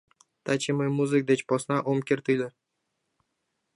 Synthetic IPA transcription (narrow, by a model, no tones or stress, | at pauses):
t̪ʰat͡ʃɪmɨjmuzɨk̚d̪et͡ʃpɒsnaʔomkʲeɾt̪ɪjleɾ